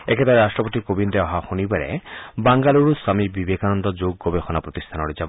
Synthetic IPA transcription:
ekʰet̪aɾɾasʈɾɔpot̪ikobind̪eɔɦaxunibaɾḛbaŋɡaluɾusamibibekanɔnd̪ɔd͡ʒoɡːɔbexɔnapɾɔt̪ist̪ʰanɔɽid͡ʒab

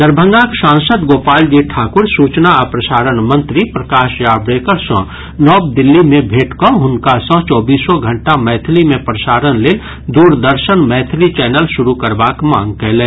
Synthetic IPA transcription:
d̪əɾbʱə̃ŋɡãksãːŋsəd̪ɡoːpaːld͡ʒiʈʰaːkʊɾsuːt͡ʃnaəpɾəsaːɾənmə̃nt̪ɾipɾəkaːʃjaːbɾeːkəɾsɔ̰̃ː | nɔːb̚d̪ɪlːimẽbʱeːʈkɔɦʊnkasɔ̃t͡ʃɔːbiːsɔɡʱə̃ɳʈamɛːt̪ʰlimẽpɾəsaːɾənleːl | d̪uːɾd̪əɾʃənmɛːt̪ʰlit͡ʃɛːnəlʃʊɾukəɾbaːkmã̰ːŋɡ̚kɛɦlẽː

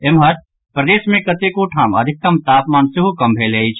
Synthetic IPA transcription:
emɦɐt̪̚ | pɾɐd̪eːsmẽkɐt̪ekoʈʰaːmə̰d̪ʱɪk̚t̪ɐmt̪aːpmaːnsiɦukɐmbʱeleit͡ʃʰ

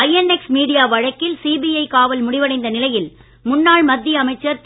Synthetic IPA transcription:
ɐjɛnɛksmiːɽɪjaːʋɐɻɐkːɪlsiːbiɐɪkaːʋɐlmʊɽɪʋɐɽɐɪnd̪ɐnɪlɐjɪl | mʊnːaːɭmɐd̪ːɪjɐɐmɐɪt͡ʃːɐɾt̪

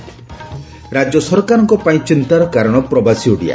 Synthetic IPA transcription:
ɾad͡ʒɔsɔɾkaɾɔŋkɔpaĩt͡ʃint̪aɾɔkaɾɔɽ̃ɔpɾɔbasiuɽḭja̰

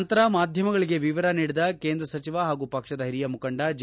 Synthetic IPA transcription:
nt̪ɐɾɐmaːd̪ʱjɐmɐɡɐɭiɡe̞ʋiʋɐɾɐniːɽid̪ɐke̞ːnd̪ɾɐsɐt͡ʃiʋɐɦaːɡupɐkʂɐd̪ɐɦiɾijɐmukɐɳɖɐd͡ʒ

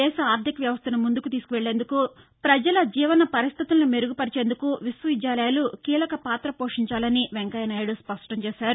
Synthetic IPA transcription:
ɛːʃɐaːɾd̪ʱikɐʋjɐʋɐst̪ʰɐnɐmund̪ukut̪iːsu̥kuʋeɭːeːnd̪uku | pɾɐd͡ʒɐlɐd͡ʒiːʋɐnɐpɐɾist̪ʰit̪ulnume̞ɾuɡupɐɾit͡ʃeːnd̪ukuʋisʋɐʋid͡ʒjaːlɐjalukiːlɐkɐpaːt̪ɾɐpo̞ːʂiɲt͡ʃaːlɐniʋeŋkɐjɐnaːjɐɽuspɐʂʈɐmt͡ʃɛːʃaːɾu

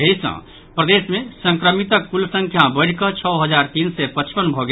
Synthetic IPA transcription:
esə̰̃ | pɾəd̪esmesə̃ŋkɾəmit̪əkːulsə̃ŋkʰjabəɪɽ̤kət͡ʃʰɔɦəd͡ʒaɾt̪insɛpət͡ʃpənbʱɔɡe

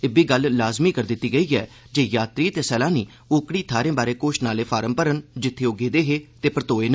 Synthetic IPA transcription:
ɪbiːɡəlːaːzmiːkəɾd̪ɪt̪ːiːɡəiːɛː | d͡ʒeːjaːt̪ɾiːt̪eːsɛːlãːniː | ʊːkɽiːt̪ʰaːɾẽːbaːɾeːkoːʃnaːleːpʰaːɾəmpəɾənd͡ʒɪt̪ʰːeːoːɡeːd̪eːɦeːt̪eːpəɾət̪oːeːn

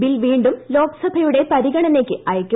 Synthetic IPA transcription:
bilʋiːɳɖumlo̞ːksɐbʱɐjuɽe̞pɐɾiɣɐɳɐne̞ːkʲːɨʔɐjɐkʲːɐ

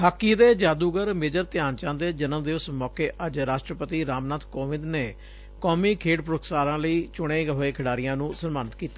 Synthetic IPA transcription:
ɦaːkːiːd̪eːd͡ʒaːd̪uːɡəɾmeːd͡ʒəɾt̪ɪjaːnt͡ʃãːd̪eːd͡ʒənəmd̪eːʊsmɔːkeːʔəd͡ʒɾaːʃʈɾəpət̪iːɾaːmnaːt̪koːʋɪ̃nd̪neː | kɔːmiːkʰeːʈpɾʊk̪saːɾãːləiːt͡ʃʊɽ̃eːɡəɦoːeːkʰɪɽaːɾɪjãːnũːsənmaːnət̪kiːt̪aː

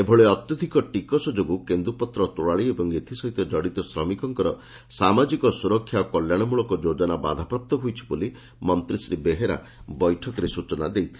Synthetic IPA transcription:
ebʱɔɭeɔt̪jɔd̪ʱikɔʈikɔsɔd͡ʒoɡukend̪upɔt̪ɾɔt̪uɽaɭiebɔŋɡet̪ʰisɔɦit̪ɔd͡ʒɔɽit̪ɔsɾɔmikɔŋkɔɾɔ | samad͡ʒikɔsuɾɔkʰːjakɔljaɽ̃ɔmuɭɔkɔd͡ʒod͡ʒɔnaba̰d̪ʱapɾap̚t̪ɔɦujt͡ʃʰi̥buli | mɔnt̪ɾisɾibeɦeɾa̰ | bɔjʈʰɔkɔɾesut͡ʃɔna̰d̪ejt̪ʰi̥

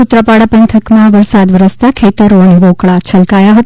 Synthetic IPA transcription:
ut̪ɾəpaɽapənt̪ʰəkmãʋəɾsad̪ʋəɾəst̪akʰet̪əɾoəneʋokɭat͡ʃʰəlkajaɦət̪

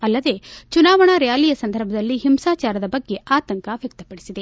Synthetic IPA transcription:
ɐlːɐd̪e̞t͡ʃunaːʋɐɳɐɾɛjaːlijɐsɐnd̪ʱɐɾbʱɐd̪ɐlːiɦimsaːt͡ʃaːɾɐd̪ɐbɐɡːe̞ʔaːt̪ɐŋkaʋjɐk̚t̪ɐpɐɽisid̪e̞

